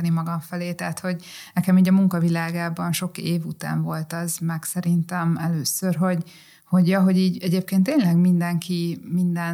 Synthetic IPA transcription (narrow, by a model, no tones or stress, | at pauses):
nimɒɡɒɱfɛleːt̪ɛːt̪ho̞ɟnɛkɛmiːɟɒmuŋkɒvilaːɡaːbɒnʃo̞keːvut̪a̰ːɱvo̞lt̪ɒzmɛksɛɾint̪ɛmɛløːsørɦo̞ɟ | ho̞ɟjɒɦo̞ɟiːɟɛɟeːp̚keːnt̪ːeːɲlɛɡmind̪ɛŋkimind̪ɛn